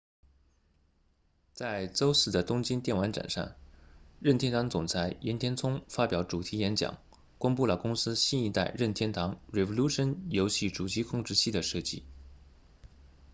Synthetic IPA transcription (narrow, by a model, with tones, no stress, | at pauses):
t͡sa˥˩ɪt͡so˥ʊsɹ̩˥˩d̪ə˩t̪ʊ˥ŋt͡ɕi˥nt̪jɛ˥˩nwa˧˥nʈ͡ʂa̰˨˩nʂɑ̰˥˩ŋɻə˥˩nt̪ʰjɛ˥nt̪ʰɑ˧˥ŋt͡sʊ˨˩ŋt͡sʰa˧˥ɪjɛ˧˥nt̪ʰjɛ˥nt͡sʰʊ˥ŋfa˥pjɑ˨˩˥ʊʈ͡ʂu˨˩t̪ʰi˧˥jɛ˧˥nt͡ɕjɑ̰˨˩˦ŋ | kʊ˥ŋpu˥˩lə˩kʊ˥ŋsɹ̩˥ɕi˥˧ni˧˥t̪a˥˧ɪɻə˥˩nt̪ʰjɛ˥nt̪ʰɑ˧˥ŋɻɛ˨˩vo˧lu˥ʂə˧˥njo˧˥ʊɕi˥˩ʈ͡ʂu˨˩t͡ɕi˧˥kʰʊ˥˧ŋʈ͡ʂɻ̩˥˧ɕi˥˩d̪ə˩ʂɤ˥˩t͡ɕi˥˩